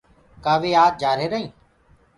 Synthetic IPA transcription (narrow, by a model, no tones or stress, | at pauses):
kaːʋeːaːt̪̚d͡ʒaːɾeːɾəɦĩː